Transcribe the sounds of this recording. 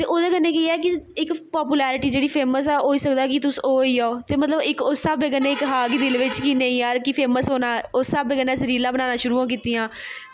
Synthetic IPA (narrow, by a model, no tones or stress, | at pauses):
t̪eːʔoːd̪eːkənːẽːkeiɛːk̬ɪɪkpɔːp̬uːlɛːɾɪʈiːd͡ʒeːɽiːpʰeːməs̬ɛːoːiːsəkd̪aːkɪt̪ʊsoːiːaoːt̪eːmət̪ləbɪkʊsaːbeːk̬ənːeːɪkɦaːɡd̪ɪlʋɪt͡ʃkinẽːiːjaːɾkɪpʰeːməsoːnaːosaːbeːkənːɛːsəɾiːlaːbənaːnaːʃʊɾuːãːk̬iːt̪iːãː